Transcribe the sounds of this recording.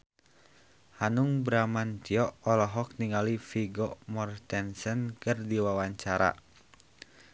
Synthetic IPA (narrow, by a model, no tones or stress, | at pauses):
hanuŋbɾamant̪iɔʔɔlɔɦɔk̚niŋalifiɡɔmɔrt̪ɛnsənkɨrdiwawaɲt͡ʃaɾa̰